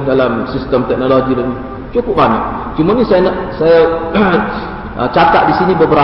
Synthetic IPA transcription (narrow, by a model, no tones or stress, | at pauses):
dalamsist̪əmt̪ɛk̚noloɡidani | t͡ʃukʊp̚baɲa̰ʔ | t͡ʃumanisajanaʔsaja | ʔət͡ʃat̪a̰ʔ̪̚disinibəbəɾa